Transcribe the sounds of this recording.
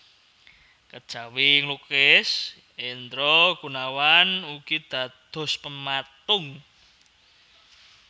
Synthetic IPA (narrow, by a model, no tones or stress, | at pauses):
kəd̥ʒ̥a̤wiŋlukɪs | ent̪ɾɔɡ̥ṳnawanukid̪̥ä̤d̪̥ɔ̤spəmat̪ʊŋ